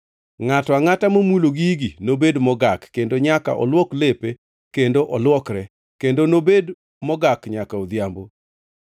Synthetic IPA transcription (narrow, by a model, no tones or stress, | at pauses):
ŋatɔaŋatamomuloɡiɡinobedmɔɡakːendoɲaka̰ʔɔ̰lwɔklepe | kendoʔɔlwɔkɾɛ | kendonobed | mɔɡakɲakaod̪jambo